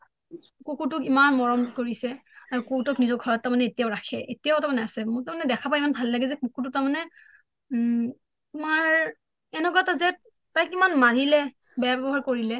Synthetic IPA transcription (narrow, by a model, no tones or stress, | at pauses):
kokutʊkimanmɔɹɔmkoɹisɛaɹukowtɔknizɔɡʱɔɹɔt̚ːamanɛetijaʊɹakʰɛʔetijaʊtamanɛasɛmʊtamanɛdɛkʰapaimanbʱalːaɡɛzɛkokut̬ʊtamanɛ | maɹ | ɛnɛkɔatazɛt | tajkimanmaɹilɛ | bɛjabɛbɔɦaɹkoɹilɛ